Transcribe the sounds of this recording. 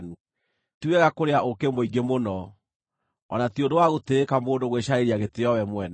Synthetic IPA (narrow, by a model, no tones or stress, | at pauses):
tuɛɣakoɾeaʔokemoiɡemonɔ | ɔ̰nationdowaɣoteːkamoːndoɣweɕaeɾiaɣeteɔwɛmwɛna